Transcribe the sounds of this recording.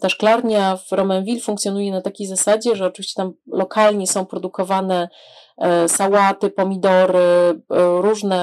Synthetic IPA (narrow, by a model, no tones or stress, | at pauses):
t̪aʂklaɾɲavɾɔmɛnvʲilfuŋkt̪sʲjɔnujɛnat̪akʲejzasad͡ʑɛʐɛɔt͡ʂɨvʲiɕt͡ɕɛ̥t̪amlɔkalɲɛsɔ̃w̃pɾɔd̪ukɔvanɛ | sawat̪ɘpɔmʲid̪ɔɾɘ | ɾuʐnɛ